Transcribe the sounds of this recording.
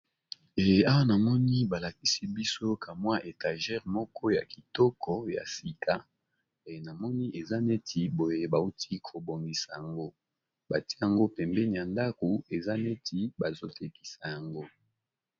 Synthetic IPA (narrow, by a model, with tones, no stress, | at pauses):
e˨a˦wa˦na˨mɔ˦ni˦ba˨la˨ki˦si˦bi˦so˦ka˨mwa˦ʔe˨ta˨ʒɛ˦ʁmɔ˦kɔ˦ja˨ki˨tɔ˦kɔ˦ja̰˨si˨kʰa˦ | e˨na˨mɔ˦ni˦ʔe˨za˦ne˦ti˨bo˨je˦ba˨u˦tʰi˦kʰo˨bo˨ŋɡi˨sa˨ja˨ŋɡo˦ | ba˨ti˦ja˨ŋɡo˦pɛ˨mbɛ˦ni˨ja˨nda˦ko˨e˨za˦ne˦ti˦ba˨zo˦te˨ki̥˨sa˨ja˨ŋɡo˦